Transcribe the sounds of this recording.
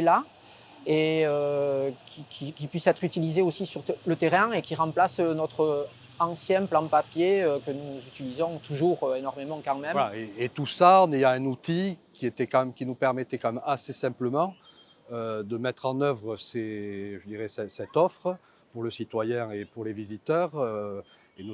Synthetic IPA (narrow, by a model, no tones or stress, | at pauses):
la | eøkʲikʲʰikʲipɥisɛt̪χyt̪ilizeosisyʁlət̪eʁɛ̃ekʲiʁɑ̃plasnɔt̪χə | ɑ̃sjɛ̃plɑ̃papjeøkənuzyt̪ilizɔ̃t̪uʒuʁøenɔʁmemɑ̃kɑ̃mɛmvalaeet̪usaɑ̃nejɑ̃ɛ̃nut̪ikʲiet̪ɛkɑ̃mɛmkʲinupɛʁmɛt̪ɛkɑ̃mɛmasesɛ̃mpləmɑ̃ | ød̪əmɛt̪χɑ̃nœvʁəseʒəd̪iʁɛsɛsɛt̪ɔfχə | puʁləsit̪wajɛ̃epuʁlevizit̪œʁø | enu